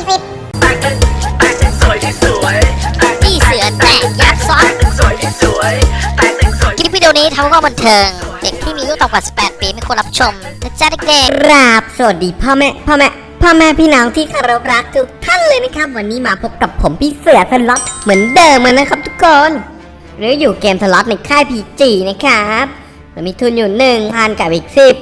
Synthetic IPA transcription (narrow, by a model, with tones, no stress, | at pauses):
pʰi˧˩t̪̚ | t̪ʰiː˥˩sɯ˨˩˦ɐt̪ɛː˨˩jaː˦˥˩p̚sɔ˦˥t | i˦˥p̚wi˧di˧niː˦˥t̪ʰa˧mha˥˦˩ka˥˩ba˧nt̪ʰɤː˧ŋde˨˩k̚t̪ʰiː˥˩miː˧juː˥˩t̪ɔː˨˩kwaː˨˩si̥˨˩pːɛː˨˩t̪̚piː˧ma˥˧˩kʰu˧nlɾa˦˥p̚t͡ɕʰo˧mt̪t͡ɕaː˧˥˩na˥˩keː˧ɾa˦˥˩p̚su˨˩ə˩t̪̚diː˧˩pʰɔː˥˩mɛ˦˥pʰɔː˥˩mɛ˦˥ʔ | pʰɔː˥˩mɛ˦˥pʰiː˥˩nɔː˨˦ŋt̪ʰiː˥˩kʰa˧ɾa˧p̚ɾa˦˥kʰːɯː˧t̪ʰa˥˩nlɤː˧jna˦˥kʰa˦˥p̚wa˧nːiː˦˥maː˧pʰo˦˥p̚ka˨˩pʰːo˩˦mpʰiː˧˥˩se˨˩ət̪̚sa˧lɔ˦˥t̪̚mɯ˩˦əndɤː˧mka˧nːa˦˥kʰa˦˥p̚t̪ʰu˦˥kʰːoː˧n | ɾɯː˨˦˥juː˨˩keː˧msa˧lɔ˦˥t̪̚na˧jkʰaː˥˩jpʰiː˧t͡ɕiː˧˩na˦˥˩kʰa˦˥p̚ː | ɯ˨˧˦miː˧t̪ʰu˧njuː˨˩nɯ˨˩ŋpʰaː˧nka˨˩ʔiː˨˩k̚si˨˩p̚